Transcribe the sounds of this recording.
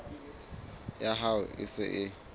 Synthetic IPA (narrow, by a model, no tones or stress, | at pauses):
jaɦaʊ̰ʔɪ̰sɪʔɪ